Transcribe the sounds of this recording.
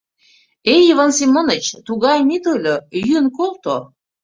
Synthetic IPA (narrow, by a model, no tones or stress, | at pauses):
ejivɑnsimonət͡ɕt̪uɣɑjmit̪olʲojynkolt̪o